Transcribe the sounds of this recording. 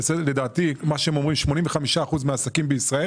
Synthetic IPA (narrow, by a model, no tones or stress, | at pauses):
eseled̪aːt̪imaʃeemo̞mʁimʃmo̞nĩmveχamiʃaːχuzmeasakimbeisʁae